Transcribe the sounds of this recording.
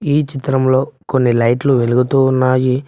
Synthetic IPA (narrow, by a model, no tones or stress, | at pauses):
iːt͡ʃit̪ɾɐmlo̞ːko̞nːilɐjʈluʋeluɡut̪uːnːaːji